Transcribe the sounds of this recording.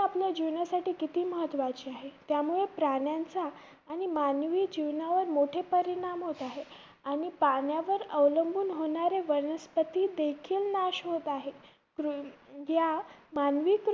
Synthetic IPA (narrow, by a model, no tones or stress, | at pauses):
apljad͡ʑiʋɳjasaʈiːkit̪iːməɦət̪ʋat͡ɕiːaɦet̪jamuɭepɾaɳjant͡saː | ɽ̃imanʋiːd͡ʑiʋnjaʋəɾmoʈʰepəɾiɽ̃amɦot̪aɦe | aɽ̃ipaɳjaʋəɾəʋləmbʱuːnɦoɳaɾeʋəɾnəspət̪iːd̪ekʰiːlnaɕɦot̪aɦe | kɾuɦjamanʋiːk